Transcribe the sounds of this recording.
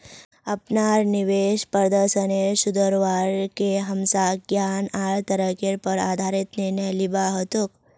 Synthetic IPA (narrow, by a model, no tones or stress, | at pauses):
ɐpnaːɾniʋeːʃpəəd̪əɾʃənesʊd̪əɾʋaːɾkeɦɐmsaɡjaːnaːɭt̪əɾəkeɾpəɾaːd̪ʱaːɾɪt̪ninəjlɪbaɦot̪uk